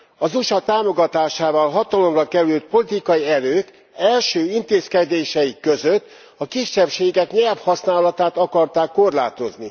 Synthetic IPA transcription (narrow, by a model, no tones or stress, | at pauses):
ɒzuʃɒt̪aːmo̞ɡɒt̪aːʃaːvɒlɦɒt̪ɒlo̞mrɒkɛɾylt̪̚po̞lit̪ikɒjiɛɾøːk | ɛlʃøːint̪eːskɛd̪eːʃɛikːø̞zøt̪ː | ɒkiʃːɛpʃeːɡɛkɲɛlfhɒsnaːlɒt̪aːt̪ɒkɒrt̪aːkːo̞rla̰ːt̪o̞zni